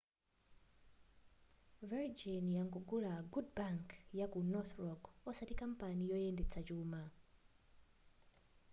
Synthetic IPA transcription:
vɛɹd͡ʒinjaŋɡuɡulaɡudbaŋkjakunɔθɹɔɡɔsatikampanijɔjɛndɛt͡sʰat͡ʃuːma

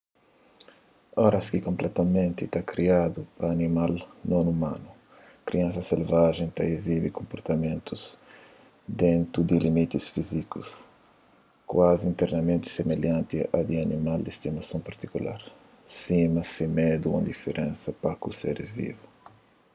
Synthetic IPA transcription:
ɔɾɐskikõmplʔɛt̪ɐmẽnt̪it̪akɾiad̪upɾɐːnimalnõnumã̰nu | kɾiãnsɐselvaʒẽj̃t̪aezibikõmpoɾt̪ɐmẽnt̪uz̥ | d̪ẽnt̪ɾud̪ɪlimit̪isfizikus | kwaziĩnt̪eɾnɐmẽnt̪i̥semeljãnt̪ia̰d̪ianimald̪est̪imɐsõw̃pɐɾt̪ikula̰ɾ | simɐsɪmed̪uṵ̃nd̪ifeɾʔẽnsɐpakusḛɾizvḭvu

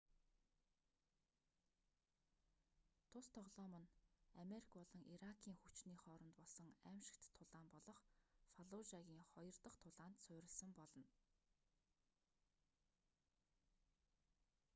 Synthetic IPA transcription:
t̪ʰʊst̪ʰɔʁɮɔːmə̆nameɾikʰpɔɮɞ̆ŋʔiɾakʰiːŋxut͡ɕniːχɔːɾɞ̆nt̪pɔɮsɞ̆ŋæmʃɪ̥̆kt̪ʰːʊɮaːmpɔɮɞ̆χfaɮʊʒaɣʲiːŋχɔjɞ̆rt̪ə̆χt̪ʰʊɮaːnt̪sʊːɾʲɪ̆ɮsə̆mpɔɮɞ̆n

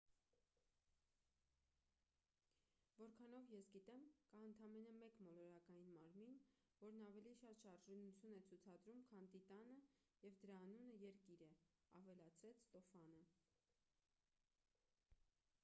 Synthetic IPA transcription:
vɔɾkʰɑnɔvjɛsɡit̪ɛmkɑənt̪ʰɑmɛnəmɛkmɔlɔɾɑkɑjinmɑɾmin | vɔɾnɑvɛliʃɑt̪ʃɑɾʒɔnut͡sʰjunɛt͡sʰut͡sʰɑd̪ɾumkʰɑnt̪it̪ɑnə | jɛvd̪əɾɑːnunəjɛɾkiɾɛɑ̰vɛlɑt͡sʰɾɛt͡sʰst̪ɔfɑnə

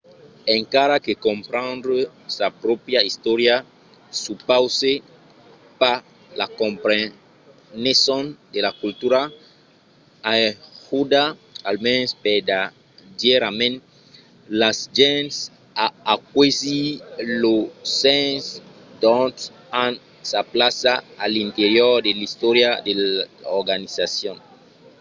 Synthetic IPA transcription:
eŋkaɾakekõmpɾãnd̪ɾesapɾopjaist̪oɾja | supawse | pa | lakõmpɾe | nesɔ̃nd̪elakult̪uɾa | ahud̪aalmensped̪a | deɾamẽn | lasd͡ʒɛ̃ns | aːk̚wezilosẽns | d̪ɔ̃nt̪ | an | saplasaːlint̪eɾjɔɾd̪elist̪ɔɾjad̪eloɾɡanisasjõn

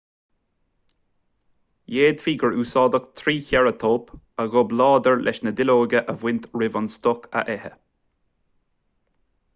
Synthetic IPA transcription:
jeːd̪fiːɡəɹuːsɑːd̪ək̚t̪ʰɾiːçɛɹət̪ʰoːp | əɣʊblɑːd̪əɹlʔɛ̰ʃnəd̪ɪloːɡəʔəvwɪnt̪ɹɪvɔnst̪ɔkʰə̰ʔɛhə̰

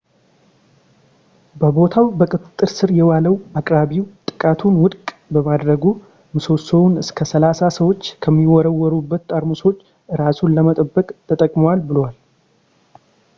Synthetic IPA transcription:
bəbo̞t̪ʰawbəkʼɨt̪ʼɨt̪ʼːɨɾsɨɾjɛwaləwakʼɾaβiwt̪ʼɨkʼat̪ʰunwʊd̪kʼbəmad̪ɾəɡu | mɨso̞sowunɨskʰəsəlasasəwo̞t͡ʃːkʰəmːiwɔɾəwɔɾubːət̪ːʼaɾmuso̞t͡ʃː | ʔɨɾasunləmət̪ʼəbːəkʼt̪ʰət̪ʼəkʼmowalbɨlowal

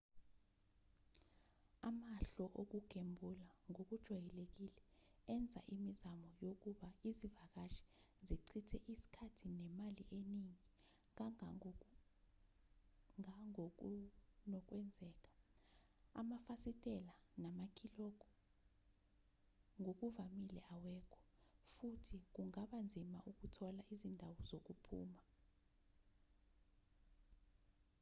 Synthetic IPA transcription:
amaɬɔʔok̬uɡ̥ʱembʱulaŋok̬ud̥ʒ̥ʱwajɛlek̬ilɛɛnd͡zʱa̰ʔimizamɔjok̬uɓaizivak̬aʃi̥ziǀʰitʰɛʔisi̥kʰatʰinɛmaliʔeniŋi | aŋ | nɔk̬ʼwɛnd͡zʱɛːk̬ʼḁ | a̰mafasitʼɛlanamak̬ʰʼilɔk̬ɔ̥ | ŋʱok̬uvamilɛʔawɛːkʰɔ̥ | futʰik̬uŋaɓand͡zʱimaʔuk̬utʰɔlaʔizindʱawɔzok̬upʰṵːma

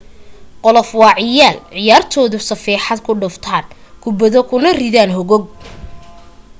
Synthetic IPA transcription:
qɔlɔfwɑːʕɪjaːlʕɪjaːrt̪ʰɔːðʊsɐfiːħɑd̪kʰʊɖʊft̪ʰaːn | kʰʊbɐðɔkʰʊnɐriðaːnɦɔɣɔɡ̚

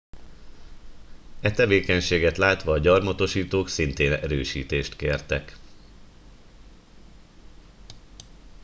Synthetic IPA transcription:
ɛt̪ɛveːkɛɲʃeːɡɛt̪laːt̪ʋɒːɟɒrmɒt̪o̞ʃiːt̪oːksint̪eːnɛɾøːʃḭːt̪eːʃt̪keːrt̪ɛk

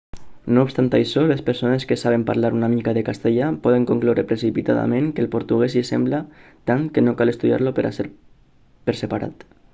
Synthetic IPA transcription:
noupst̪ant̪ajʃɔlespeɾsoneskesaβ̞empaɾlaɾunamikaðekast̪eʎapɔðeŋkoŋklowɾepɾesipit̪a̰ða̰mẽŋkelpoɾt̪uɣɛsisɛmblat̪aŋkenokalest̪uðja̰ɾlopeɾʔa̰seɾ | peɾsepaɾa̰t̪

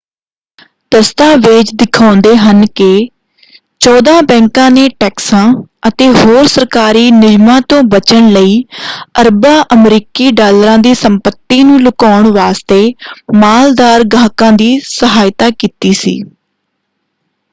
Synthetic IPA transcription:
t̪əst̪aːʋɪt͡ʃd̪ɪkʰaːnd̪eːɦənkɪ | t͡ʃɔːd̪ãːbɛ̃ːŋkãːneːʈɛːksãːət̪eːɦoːɾsəɾkaːɾiːnɪd͡ʒmãːt̪õːbət͡ʃəɳləiːəɾbaːʔəmɾiːkiːɖaːlɾãːd̪iːsəmpət̪ːiːnũːlʊkaːʊɳʋaːst̪eːmaːld̪aːɾɡãːkãːd̪iːsəɦaːɪt̪aːkiːt̪iːsḭː

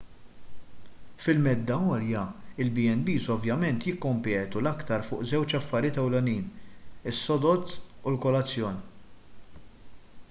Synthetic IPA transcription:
fɪlmɛd̪ːɐɔːljɐɪlbiɛnbiːsɔvjɐmɛnt̪jɪkːɔmpɛːt̪ulɐkt̪ɐɾfʊːʔzɛwt͡ʃɐfːɐɾjɪːt̪ɛwlɛniːnɪsːɔd̪ɔt̪ːulkɔlɐt͡sːjɔːn

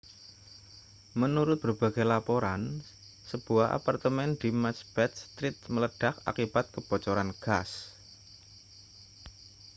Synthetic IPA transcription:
mənuɾʊt̪̚b̥ərb̥a̤ɡajlapoɾan | səb̥uaɦʔa̰part̪əmɛndimasb̥ɛt̪st̪ɾɪt̪̚mələɖ̥aka̰kib̥at̪̚kəb̥ɔ̤t͡ʃɔɾanɡ̥as

